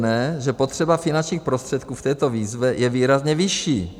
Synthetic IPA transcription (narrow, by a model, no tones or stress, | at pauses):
nɛːʒɛpo̞t̪r̝̥ɛbafɪnant͡ʃɲiːxpɾost̪r̥ɛt̪kuːft̪ɛːt̪o̞viːzvɛjɛviːɾazɲɛvɪʃiː